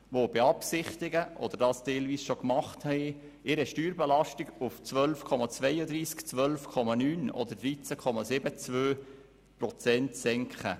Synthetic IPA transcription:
ʋob̥ɛɑpsɪχt̪ɪɡəʔɔ̰d̪əɾd̥ɑːstɛɪlviːsʃokmɑχthɛɪ | ɪɾəʃtyːɾbɛlɑʃtɪɡuft͡sʋœlfkʰɔmɑt͡sʋɛjəd̪ɾiːskt͡sʋœlfkʰɔmɑnyːnɔ̰d̪əɾd̪ɾit͡səkʰɔmɑsɪbət͡svøː | pɾɔt͡sɛntsɛŋkχə

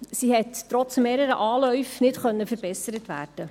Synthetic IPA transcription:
sihɛttːɾɔt͡smeːɾəɾəʔɑːlœɥfnɪtχœnːəfəɾbɛsəɾətʋæ̰ːrd̥ə

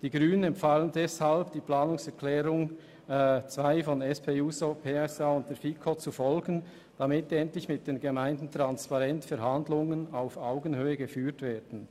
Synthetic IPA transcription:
d̥iːɡʁyːnənɛmfaːləndɛshalbd̥iːplaːnʊŋsɛʁklɛːɾʊŋ | t͡svaɪfɔnɛspʰeːuːsopʰeːɛsaːʊnt̚d̥eːfikʰɔt͡sufɔlɡən̩ | d̥amɪtɛntlɪçmɪt̚d̥eːnɡemaɪndn̩tʁ̥anspɑʁɛntfɛɾɦandlʊŋənaʊfaʊɡən̩høːəɡəfyːtveːd̥n̩

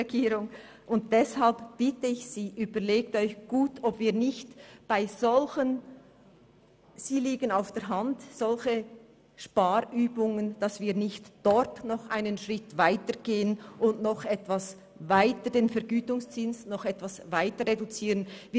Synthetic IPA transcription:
eɡiːɾʊŋ | ʔʊnt̚d̥ɛshalpb̥ɪtəɪçsiːʔyːbəɾleːk̚tɔʏçɡ̥uːtʰɔbviːɐnɪçtb̥aɪzɔlçən | z̥iːliːɡənaʊfd̥ɛɐɾɦantz̥ɔlçə | ʃpaːɾyːbʊŋənd̥ɑsv̥iːɐnɪçtd̥ɔɾtnɔχʔaɪnənʃʁɪtvaɪtəɡ̥eːənʊndnɔχɛtv̥as | vaɪtədeːnfɛɾɡyːtʊŋst͡sɪnsnɔχɛtv̥asvaɪtəʁedut͡siːʁənviː

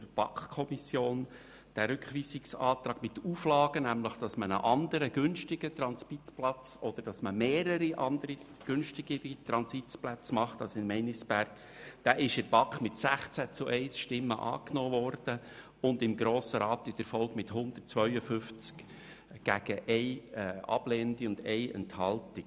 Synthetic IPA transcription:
b̥ɑ̰kχkʰɔmisjoːn | d̪̥æɾʏkχʋiːsɪksɑːt̪ɾɑːɡmɪt̪uːflɑːɡ̥ənæmləχd̥ɑsmənə̰ʔɑnd̪əɾəɡ̥ʏnʃtɪɡ̥ət̪ɾɑnspitplɑt͡sɔd̪̥əɾd̥ɑsməmeːɾəɾiʔɑnd̪əɾi | ɡ̥ʏnʃtɪɡ̥əɾit̪ɾɑnsitplæt͡smɑχt̪ɑlsɪnmɛnisb̥æɾk | d̪̥æʔɪʃəɾb̥ɑkχmɪtsæχt͡sæt͡sʊʔɛɪsʃtɪmːəʔɑ̰ːknoːʋɔrd̥ə | ʊnd̪ɪmɡɾoːsəɾɑːt̪ɪtəɾfɔlkmɪtɦʊnd̥̪ərt̚t͡sʋœʏəfʏft͡sk | ɡ̥æɡ̥əʔɛɪɑ̰b̥leːndiʊnd̪ɛɪɛ̰nthɑltɪk

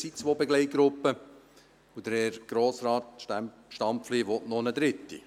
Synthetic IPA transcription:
sit͡sʋoːbeɡlɛɪt̚ɡ̥ɾʊpːə | ud̥̪əɾɛɾɡ̥ɾoːsɾɑːtʃtæm | ʃtɑmpfleːʋɔtnɔnəd̪ɾɪtːḭ

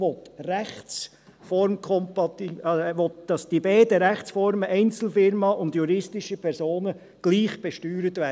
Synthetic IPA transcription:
ɔt̪ræχt͡s | fɔɾmkʰχɔmpɑt̪iʋɔt̪̚d̥ɑsd̥ibɛɪdəɾæχt͡sfɔɾməʔɛɪnt͡sl̩fɪɾmɑʔʊndjuɾɪstɪʃəpʰɛɾsoːnə | ɡ̥liːχb̥ɛʃtyːɾətʋæ

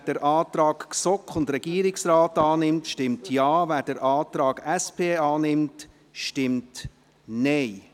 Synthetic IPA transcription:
d̥əɾʔɑːtɾɑːkksɔkχʊndɾɛɡ̥iəɾɪksraːtɑːnɪmtʃtɪmtʰjɑːvæːɾdəɾʔɑːtɾɑːɡ̥ɛspʰeːɑːnɪmt | ʃtɪmt | nɛɪ

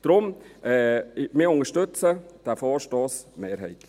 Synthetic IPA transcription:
d̥ɾʊmʔɛmɪːʊŋəʃtʏt͡səd̥æfɔːʃtoːsmeːɾɦɛɪtl

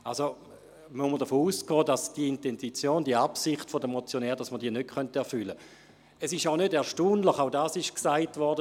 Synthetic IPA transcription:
also | mumːəʁdəfoːuːsɡ̥ɔːdasd̥iəintenzit͡sjoːndiəapsiχtfodəmot͡sjonɛːʁd̥asmədiːɐnøt̚kʰχœntɛɐfʏlə | ɛsɪʃaʊnødɛɐʃtuːnləχaʊdaːsɪʃksaɪtvɔʁdə

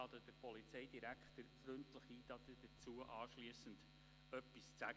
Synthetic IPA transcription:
ɑd̪əd̥əɾpɔlit͡seɪdiɾækχt̪əɾfɾɵntləχiːtɑt̪əd̥ət͡suəʔɑːʃliəsənd | œpːist͡sæ

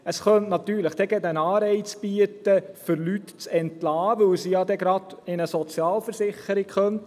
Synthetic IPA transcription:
əsχœntnɑt̪yːɾləχd̥ɛɡɛd̪ənɑːɾɛɪt͡sb̥iətəfʏɾlytt͡sɛntlɑːʋɵwsijɑd̪ɛɡɾɑd̪̥ɪnəsɔt͡sjɑːlfəɾsɪχəɾɪɡχœnt

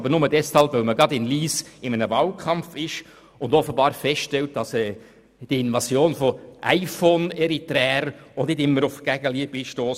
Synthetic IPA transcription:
bəɾnʊmədɛshɑlˠpvœlməɡɾɑdɪnliːsɪmənəvɑːlkʰɑmfɪʃ | ʊndɔfəbɑːɾfɛsʃtɛlt̚d̥ɑsɛː | d̥iəɪnvɑsjoːnfɔʔaɪfoːnɛɾitɾɛːɾʊndnɪdɪmːəɾʊfɡ̥æɡ̥əliəbiʃtoːs

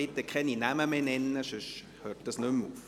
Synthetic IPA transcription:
ɪt̪ːəkʰɛninæməmeːnɛnːəʃøʃ | høːrt̚d̥ɑsnømuːf

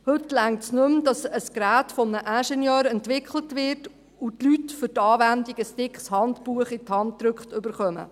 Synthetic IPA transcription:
hɵtlæŋtsnɵmd̥ɑsəskɾæːtfɔmnəʔæʃɛnjœːɾɛntʋɪkʰχlətʋɪɾt | utlytfʏtɑːʋændiɡəstɪkχshɑntpuəχɪthɑntdɾɵkχtʏbəɾχœmə̰

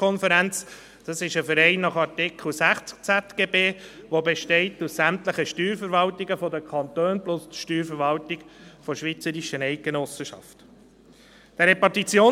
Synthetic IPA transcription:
ɔnfəɾænt͡s | d̥ɑsɪʃəfəɾɛɪnːɑχɑɾtɪkʰl̩sæχt͡sk̚t͡sæt̪ɡ̥eːbeːʋobeʃtɛɪt̪ussæmt̪ləχəʃtyːɾfəɾʋɑltiɡəfɔdəkʰɑnt̪øːnblʊstʃtyːɾfəɾʋɑlt̪iɡ̥fɔʃʋit͡səɾiʃənɛɪk̚ɡenɔsəʃɑ̰ft̪ | d̥ɛɾɛpɑtit͡sjoː

